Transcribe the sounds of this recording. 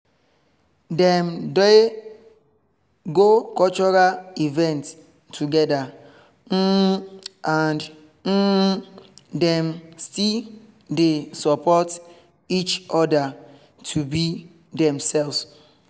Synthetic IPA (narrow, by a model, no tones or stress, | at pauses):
dɛ̃mde | ɡokɔt͡ʃɔɾalivɛ̃nt | tʰːuɡɛda | n̩ | ãnd | n̩ | dɛ̃mstil | desɔpɔt | it͡ʃɔda | tʰubi | dɛ̃msɛls